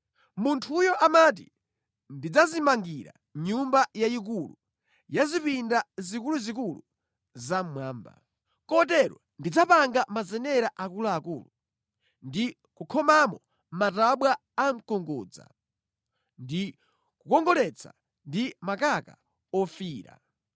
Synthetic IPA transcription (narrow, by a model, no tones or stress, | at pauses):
muntʰujɔʔamat̬ḭ | ndid͡zazimaŋɡiɾa̰ | ɲumbajaik̬ulu | jazipindazikuluzik̬ulu | zammwaːmba̰ | kɔt̬ɛɾɔ̰ | ndid͡zapaŋɡamazɛnɛɾaʔakulaːkuːlu | ndi | kukʰɔmamɔ | mataɓwaː | m̩kɔŋɡɔ̰ːd͡za̰ | ndi | kukɔŋɡɔlɛt͡sʰa̰ | ndimakaka | ɔfiːɾa̰